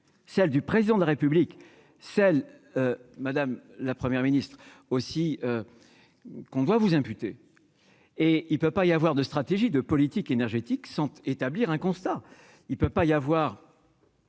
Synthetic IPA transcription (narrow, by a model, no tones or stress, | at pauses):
sɛld̪ypχezid̪ɑ̃d̪əlaʁepyblik | sɛl | ømad̪amlapχəmjɛʁminist̪χ | osiø | kɔ̃d̪wavuzɛ̃pyt̪e | eilpøpaijavwaʁd̪əst̪χat̪eʒid̪əpɔlit̪ikenɛʁʒet̪iksɑ̃t̪et̪abliʁɛ̃kɔ̃st̪a | ilpøpaijavwaːʁ